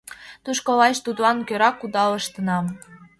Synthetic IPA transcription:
t̪uʃkolɑʃt̪ud̪lɑnkøɾɑkud̪ɑləʃt̪ənɑm

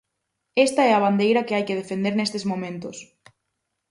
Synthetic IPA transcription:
est̪ɐɛɐβ̞and̪ejɾɐkɪajkɪð̞efend̪eɾnest̪ezmõmẽnt̪ʊs

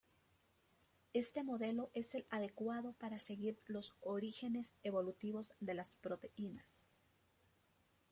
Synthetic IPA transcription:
e̞st̪e̞mo̞ðe̞lo̞ʔe̞se̞laðe̞kwaðo̞paɾase̞ɣiɾlo̞soɾixe̞ne̞se̞βo̞lut̪iβo̞zðe̞laspɾo̞t̪e̞ʔinas

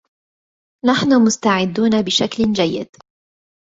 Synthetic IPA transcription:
naħnʊmʊst̪aʕɪd̪ːuːnabɪʃakld͡ʒajːɪ̰d̪

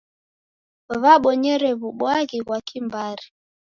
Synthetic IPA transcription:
βaɓɔɲɛɾɛβuɓwaɣiɣwakimbaɾi

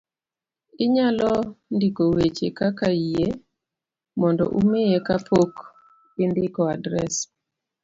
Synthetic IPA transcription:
ɪɲalɔndikowet͡ʃekakae | mɔndɔ̰ʔumejekapʰok | pɪndɪkɔadɾɛs

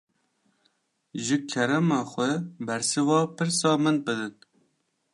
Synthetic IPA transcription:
ʒɨkʰɛɾɛmɑːxʷɛbɛɾsɨvɑːpɨɾsɑːmɨnbɨd̪ɨn

